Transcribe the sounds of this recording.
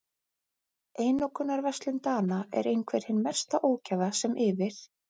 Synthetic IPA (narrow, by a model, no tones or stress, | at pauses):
eːjnɔkʰʏnːaɾvɛst̪lɪnt̪aːnaɛ̰ɾejnkʰvɛjɾ̥hɪnːmɛ̥st̪aʔoːwcavðasɛmʔɪːvɪɾ̥